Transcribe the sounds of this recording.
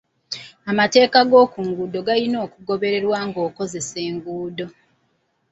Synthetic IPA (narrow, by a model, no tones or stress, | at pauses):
amate̞ːkaɡo̞ːkuːŋɡuːdo̞ɡalino̞ːkuɡo̞βe̞ɾe̞ɾwaŋɡo̞ːko̞ze̞se̞ːŋɡuːdo̞